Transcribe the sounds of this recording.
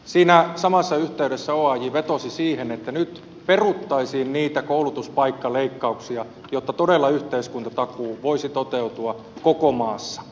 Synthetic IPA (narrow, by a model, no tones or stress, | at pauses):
siːnæsɑmɑsːɑyht̪eyɾesːæoɑjiʋet̪osisiːhenet̪ːænyt̪ | perut̪ːɑisiːnniːt̪ækoulut̪uspɑikːɑleikːɑuksiɑ | jot̪ːɑt̪odelːɑyht̪eiskunt̪ɑt̪ɑkuːʋoisit̪ot̪eut̪uɑ | kokomɑːsːɑ̥